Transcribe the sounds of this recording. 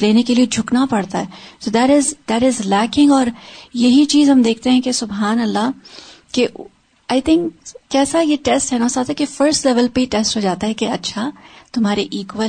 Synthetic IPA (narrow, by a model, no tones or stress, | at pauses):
leːnekelied͡ʒʱʊknapɐɽt̪aɦɛsoːd̪ɛʈɪzd̪æʈɪzlɛːkɪ̃ŋɡɔːɾjɐɦit͡ʃiːzɦɐ̃md̪eːk̚ʰt̪eɦɛ̃kesʊbɦaːnɐlːa | ke | aːɪt̪ʰɪ̃ŋkːɛːsajeʈɛsʈɦɛnaːsaːt̪ɦɛkefəɾsʈlɛʋəlpeiʈɛsʈɦoːd͡ʒaːt̪aɦɛkeɐtːʃʰat̪ʊmɦaːɾeʔiːkʋə